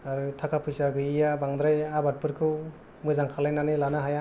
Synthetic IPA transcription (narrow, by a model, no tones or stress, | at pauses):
aɾɯtʰakapʰɯjsaɡɯijabaŋd̪ɾajabat̚pɯɾkʰɯw | mɯzaŋkʰalajnanɯlanaɦaja